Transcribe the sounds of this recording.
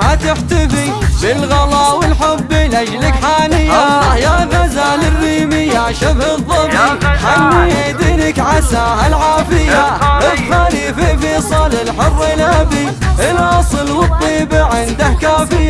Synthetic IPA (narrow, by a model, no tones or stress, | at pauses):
hat̪ɪħt̪afibɪlɣɑlɑwɪlħʊbːilʔad͡ʒlɪkħaːnɪjːaaaħjaɣazalɪrːiːmɪjːaʃɪbhɨðˤːɑbiħanːɪad̪ilɪkʕasahalʕaːfɪjːahɪħalififiːsˤɑlɪlħʊrˤːilʔabi | ʔɪlʔɑsˤɨlwɑt̪ˤnibɪʕɪnd̪ahkaːfɪjːa